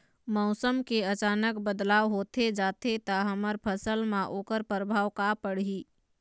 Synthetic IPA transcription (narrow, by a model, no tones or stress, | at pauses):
mɔʊsəmkeət͡ʃaːnəkbəd̪laːʋɦoːt̪ʰed͡ʒaːt̪et̪aɦəməɾpʰəsəlmãʔoːkəɾpɾəbʱaːwkapəɽ̤iː